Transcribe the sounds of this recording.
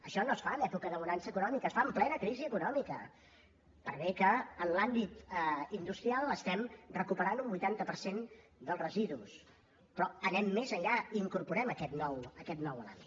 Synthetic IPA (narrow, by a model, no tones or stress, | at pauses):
əʃɔnosfanɛpukəðəmunansəkunɔmikəːsfaəmplɛnəkɾiziəkunɔmikə̰ | pəɾβɛkəːnlambit̪ind̪ust̪ɾialˠəst̪ɛmrəkupəɾanumbujt̪ant̪əpəɾsen | d̪əlˠsrəziðus | pɾɔənɛmːezəʎʎaiːŋkuɾpuɾɛməkɛt̪nɔwəkɛt̪nɔwla̰mit̪